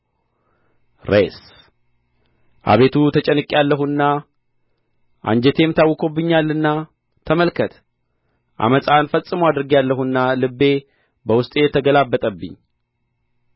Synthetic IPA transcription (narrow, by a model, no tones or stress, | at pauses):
ɾes | ʔa̰βe̞t̪ʰut̪ʰət͡ʃʼɛnɨkʼːalːəɦuɨnːa | ʔa̰nd͡ʒet̪ʰe̞mɨt̪ʰawːɨkʰo̞bːɨɲːalːɨnːa | t̪ʰəməlkʰət̪ | ʔa̰məsʼanfəsʼːɨməwad̪ɾɨɡijalːəɦunːalɨbːe̞ | bəwʊst̪ʼjɛt̪ʰəɡəlabːət̪ʼəbːɨ̰ɲː